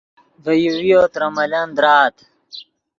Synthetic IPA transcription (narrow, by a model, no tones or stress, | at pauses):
vɐjuwijot̪ɾɐmɐlɐnd̪ɾaːt̪